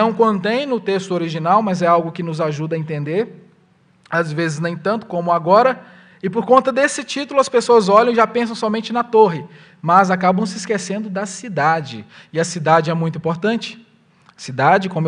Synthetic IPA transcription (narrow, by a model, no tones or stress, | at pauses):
nɐ̃w̃kõnt̪ẽj̃nʊt̪est̪ʊoɾiʒinawmɐzɛawɡʊkɪnʊzaʒud̪ɐẽnt̪ẽnd̪eɾ | azvezɪznẽj̃t̪ɐ̃nt̪ʊ̥kõmʊaɡɔɾɐ | ɪpoɾkõnt̪ɐd̪esɪt͡ʃit̪ʊlʊɐspesoɐzɔlɐ̃w̃ʒapẽs̬ɐ̃w̃sɔmẽnt͡ʃɪnɐt̪oɦɪ | mɐzakabɐ̃w̃sɪskesẽnd̪ʊd̪ɐsid̪ad͡ʒɪ | ɪɐsid̪ad͡ʒɪɛmũj̃t̪ĩpoɾt̪ɐ̃nt͡ʃɪ̥ | ɐsid̪ad͡ʒɪkõmʊ